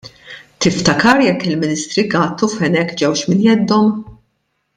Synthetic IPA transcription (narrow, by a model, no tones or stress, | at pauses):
t̪ɪft̪ɐkɐɾjɛkːɪlmɪnɪst̪ɾiɡɐːt̪ːufɛnɛkːd͡ʒɛwʃmɪnjɛd̪ːɔm